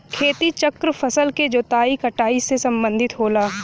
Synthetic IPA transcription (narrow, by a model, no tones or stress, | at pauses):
kʰeːt̪it͡ʃəkɾəpʰɐsəlked͡ʒoːt̪aːikɐʈaːisesɐ̃mbə̃nd̪ʱɪt̪ɦoːlaː